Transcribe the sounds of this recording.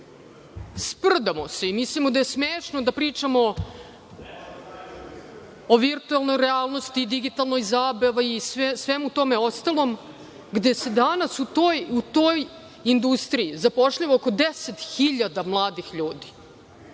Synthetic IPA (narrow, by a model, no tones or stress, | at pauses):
spr̩d̪amose̞imislimod̪aje̞smeːʂnod̪apɾiːt͡ʂamo̞ | oʋiɾt̪uelˠno̞jɾeaːlˠno̞st̪iːd̪iɡit̪alˠno̞jzaːbeʋajissʋemut̪o̞meo̞st̪alˠo̞m | ɡd̪e̞se̞d̪anasut̪ojut̪o̞j | ind̪ust̪ɾiizapoʂʎaʋooko̞d̪eset̪xiʎad̪amlˠaːd̪ixʎuːd̪i̥